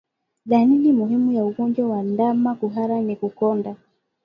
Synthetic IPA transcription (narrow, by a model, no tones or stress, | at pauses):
ðaninimuɦimujauɡɔnd͡ʒwawandamakuɦaɾanikukɔnda